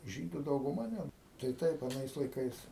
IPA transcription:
ˈʒʲiːdʊ dɐʊɡʊˈmɐ nʲɛt tɐɪ ˈtɐɪp ɐˈnɐɪs lˠɐɪˈkɐɪs

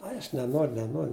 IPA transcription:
ˈɐɪ ɐʃ nʲɛˈnoːr nʲɛˈnoːr

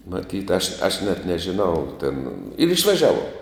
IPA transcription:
mɐˈtʲiːt ɐʃ ɐʃ nʲɛt nʲɛʒʲɪˈnɐʊ tʲeːn ɪr ɪʃʋɐˈʒʲæːʋuɔm

